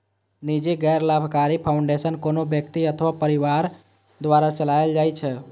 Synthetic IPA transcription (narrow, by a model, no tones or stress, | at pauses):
nid͡ʒiɡɛɾlabʱkaɾipʰaʊ̃ɳɖesənkonobjək̚t̪iət̪ʰʋapəɾiʋaɾ | d̪ʋaɾat͡ʃəlaeld͡ʒajt͡ʃʰe